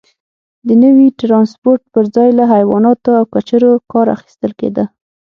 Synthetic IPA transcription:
d̪ənəwiʈɾɑnspoɾʈ̚pəɾzɑjlaɦajwɑ̰nɑt̪oawkat͡ʃaɾokɑɾa̰xi̥st̪əlkḛd̪ə

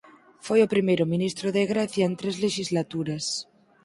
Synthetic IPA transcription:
fojopɾimejɾomĩnist̪ɾoðeɣɾaθjaent̪ɾezleʃizlat̪uɾas

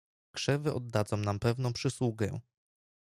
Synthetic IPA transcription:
kʂɛvɘʔɔd̪ːad̪zɔ̃w̃nampɛvnɔ̃w̃pʂɘswuɡɛ̰

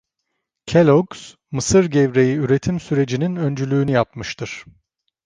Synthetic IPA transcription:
cʰelʲoɡs | mɯsɯɾɟevɾe̞jiyɾe̞t̪ʰimsyɾe̞d͡ʒininø̞nd͡ʒylʲyːnyjap̚mɯʃt̪ʰɯɾ̥

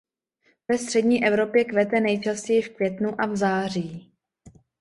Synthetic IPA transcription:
vɛst̪r̥ɛdɲiːʔɛvɾo̞pjɛkvɛt̪ɛnɛjt͡ʃascɛjɪfkvjɛt̪nuʔavzaːriː

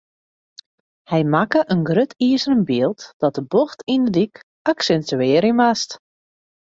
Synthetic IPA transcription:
hɛjmakəʔənɡrøtʰiːəsərənbiəlˠtd̥ɔt̚dəboxtindədik | aksɛntyɪːɾimast

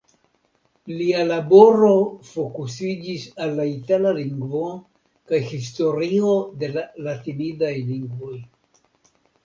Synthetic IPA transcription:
lialabo̞ɾo̞fo̞kusid͡ʒisalːaitalaliŋɡvo̞ | kajhis̬to̞ɾio̞de̞lalatinidajliŋɡvo̞j

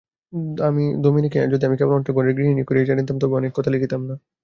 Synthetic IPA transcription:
amid̪ominiked͡ʑod̪iamikɛbonɔnekʈaɡoɾeɾɡɾininikoɾied͡ʑanint̪amt̪ɔbɔnekːɔt̪ʰalikʰit̪amna

